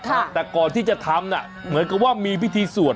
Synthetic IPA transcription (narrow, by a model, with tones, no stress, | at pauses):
kʰa˥˩t̪ɛː˨˩kɔː˨˩nt̪ʰiː˥˩t͡ɕa˨˩t̪ʰa˧˦˥mna̰˧˩ | mɯ˩˦ənka˨˩p̚waː˥˩miː˧pʰi˦˥˩t̪ʰiː˧su˨˩ə